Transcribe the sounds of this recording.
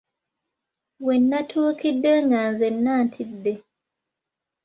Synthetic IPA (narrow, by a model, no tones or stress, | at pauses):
wenːatʰuːkidːe̞ŋɡanzenːaːntʰidːe